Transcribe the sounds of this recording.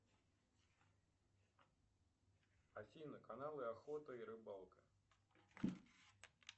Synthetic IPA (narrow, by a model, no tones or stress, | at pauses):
afʲijnɐkanalˠɨaxɔt̪əiɾɨbalˠkɐ̥